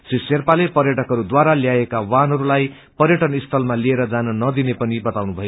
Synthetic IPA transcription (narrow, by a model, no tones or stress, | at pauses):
siserpalepʌrjʌʈʌkɦʌɾud̪waɾaljaekawanɦʌɾulaj | pʌrjʌʈʌnist̪ʰʌlmalieɾʌd͡zanʌnʌd̪inepʌnibʌt̪awnubʱʌjo